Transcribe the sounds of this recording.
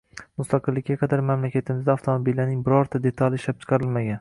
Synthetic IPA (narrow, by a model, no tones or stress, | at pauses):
mʊst̪ʰɑqɨlˠːɪkʲːaqʰɑd̪aɾmamlakʲat̪ʰɪmɪzd̪aaft̪ʰomobilːanɪŋbɪɾɒɾt̪ʰad̪e̞t̪ʰalɪʃlap̚t͡ʃʰɨ̥qʰɑɾɪlmaɡʲan